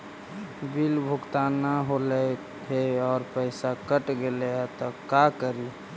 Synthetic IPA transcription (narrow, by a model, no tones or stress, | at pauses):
bilbʱʊɡt̪anaɦolɛ | ɦeɔːɾpəɪsakəʈɡeleat̪ɔakəɾi